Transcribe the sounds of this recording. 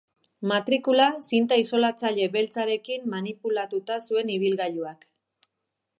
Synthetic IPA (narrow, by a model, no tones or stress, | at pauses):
mat̪ɾikulasint̪aiso̞lat͡saʎe̞βe̞lt͡saɾe̞kimːanipulat̪ut̪asue̞niβ̞ilɣajuak